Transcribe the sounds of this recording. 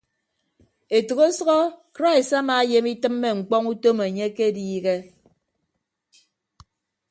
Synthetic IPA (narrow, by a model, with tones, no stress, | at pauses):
e˨tu˨ɣo˦sʌ˦ɣɔ˦kɾa˦i˨sa˦maː˨˦je˨mi˦tɨ˦mːe˦ŋ͡m̩˨k͡pɔ˦ŋu˦to˦me˨ɲe˦ke˦diː˦ɣe˦